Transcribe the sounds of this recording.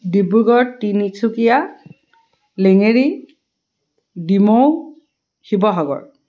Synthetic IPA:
dibuɡɔɹtinisʰukija | leŋeɹi | dimow | hibɔɦɔɡɔ̰ɹ

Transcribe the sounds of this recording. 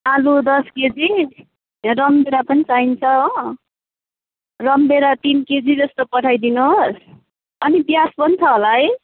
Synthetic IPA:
alud̪ʌsked͡zi | rʌmbeɾapʌnit͡saint͡sʰʌo | rʌmbeɾat̪inked͡zid͡zʌst̪opʌʈʰajd̪inuɦos | ʌnibjaspʌnt͡sʰʌɦolaɦʌj

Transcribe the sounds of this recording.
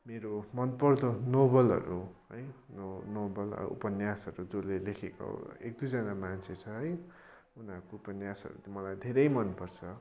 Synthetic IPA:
meɾomʌnpʌrd̪onobʌlʌ̰ɾuɦʌjnonobʌlʌ̰ṵpʌnjasʌɾud͡zolelekʰeko̰ḛk̚d̪ujd͡zʌnamant͡sʰet͡sʰʌɦʌj | unʌkoupʌnjasʌ̰ɾṵt̪mʌlajd̪ʱeɾʌjmʌnpʌrt͡sʰʌ

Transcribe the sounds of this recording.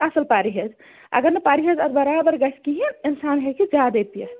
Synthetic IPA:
asəlpaɾiɦed͡ʒ | ɐ̰ɡəɾnɐpaɾiɦəd͡ʒəd̪bəɾabəɾɡəskiɦininsanɦekid͡ʒad̪et̪ijə

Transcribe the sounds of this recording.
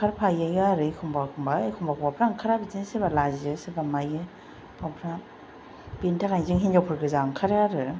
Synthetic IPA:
kʰaɾpʰajajaɾɯkʰumbakʰɯmbakʰumbakʰwapʰɾaŋkʰaɾabizinsebalaziɯsɯbamajɯ | pʰawpʰɾa | b̥intʰakajzɯŋhind͡ʒawpʰɯɾɡɯzaŋkʰaɾɯaɾɯ

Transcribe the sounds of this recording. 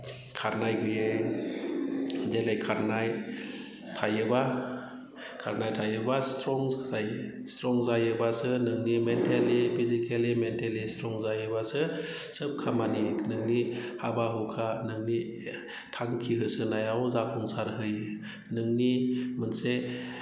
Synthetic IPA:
kʰaɾnajɡʰɯje | zelajkʰaɾnaj | tʰajɯba | kʰaɾnajtʰajɯbastɾɔŋzaj | stɾɔŋzajɯbasɯnɯŋnimentʰelipʰizikelimentʰelistɾɔŋzajɯbasɯ | sɯp̚kʰamaninɯŋnihabaɦɔkʰanɯŋni | tʰaŋkʰiɦɯsɯnajawzapʰɔŋsaɾɦɯj | nɯŋnimɯnse

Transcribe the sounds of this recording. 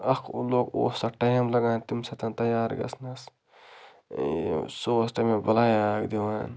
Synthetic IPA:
ɐkʰloːko̰ːsɐʈːɐjɐmlɐɡaːnt̪imsɐt̪ɐnt̪ɐjaːɾɡɐ̰snɐs | soːst̪ɐmebɐlaːjakd̪iwaːn

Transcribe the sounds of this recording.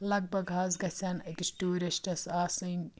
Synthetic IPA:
lɐɡ̚bʱɐɡɦɐːzɡɐsʲɐnɐkʲisʈuːɾisʈɐsaːsɨnʲ

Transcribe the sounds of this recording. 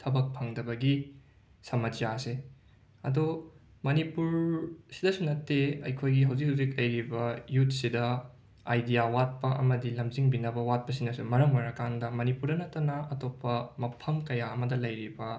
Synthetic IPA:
tʰɐbɐk̚pʰɐŋdɐbɐɡi | sɐmɐd͡ʒjase | ɐ̰domɐnipuɾsidɐsunɐtːeɐjkʰojɡiɦɐwzikɦɐwzikɐjɾibɐjutsidɐ | a̰jdijawat̚pɐʔɐ̰mɐdilɐmziŋbinɐbɐwat̚pɐsinɐsumɐɾɐŋmɐɾɐkandɐmɐnipuɾdɐnɐtːɐnɐɐtopːɐmɐpʰɐmkɐjaɐmɐdɐlɐjɾibɐ

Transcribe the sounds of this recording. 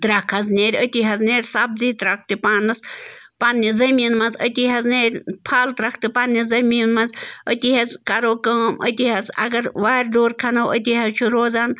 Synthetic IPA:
t̪ɾɐkʰɐznʲeːɾʲət̪ʲiɦɐzneːɾʲsɐb̚ziːt̪ɾɐk̚ʰt̪ipaːnːɨs | panːizɐmiːnmɐnzət̪iɦɐzneːɾʲpʰaːlt̪ɾɐkʰt̪ipɐnːizɐmiːnmɐnzət̪ihɐzkɐɾoːkəːmʔə̰t̪iɦɐzɐ̰ɡɐɾʋaːɾʲd̪oːɾkʰɐnɐwət̪̬ʲiɦɐzt͡ʃʰuɾoːzaːn

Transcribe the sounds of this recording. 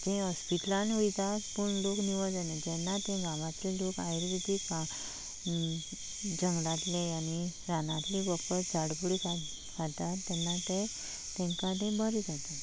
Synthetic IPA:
d͡ʑẽɦɔspiʈlãnɦujt̪at̪puɳlokniʋəd͡zəned͡ʑɛnːat̪ẽɡaʋãt̪lelokajɾʋid̪ʱika | d͡ʑəŋɡlãt̪lẽaniɾanat̪libəpəɾd͡zaɽbuɽika | d͡zat̪at̪ːɛnːat̪ẽ | t̪ɛ̃ŋkaʈ̪ẽbəɾid͡zat̪a

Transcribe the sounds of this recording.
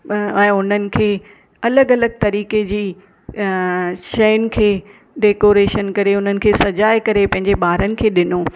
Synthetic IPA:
ɛ̃ːʊn̤ənɪ̆kʰeː | ɐləɡɐləɡ̚t̪ɐɾiːked͡ʑiː | ʃɐjʊnɪ̆kʰeː | ɖeːkoːɾeːʃənkɐɾeʊn̤ənɪ̆kʰeːsɐd͡ʑaːɪkɐɾepɐ̃ɦɪ̃ɲd͡ʑeɓaːɾənɪ̆kʰeːɗɪnoː

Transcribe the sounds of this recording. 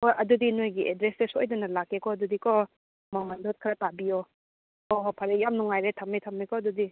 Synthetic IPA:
ojɐdudinojɡiʔedɾesesojdɐnɐlakːekɔɐdudikɔ | mamandot̚kʰɾɐtabio | oɦpʰɐɾejamnuŋajɾetʰɐmːijtʰɐmijkɔɐdudi

